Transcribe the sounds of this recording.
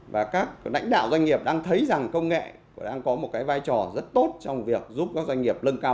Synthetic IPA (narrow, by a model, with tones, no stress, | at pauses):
vaː˨˩kaː˦˥k̚la̰˧˥jŋ̟ɗa̰ː˧˨wzwa˧ŋ̟ŋi˨˩əp̚ɗaː˧ŋt̪ʰə˨˦jza˨˩ŋkə˧wŋ͡mŋḛ˧˨˩ | ɗaː˧ŋkɔ˨˦mo˨˩t̚kaː˨˦jvaː˧jt͡ɕɔ˨˩zə˦˥t̚t̪o˦˥t̚t͡ɕɔ˧wŋ͡mvi˨˩ək̚zu˦˥p̚kaː˦˥k̚zwa˧ŋ̟ŋi˨˩əp̚lə˧nkaː˧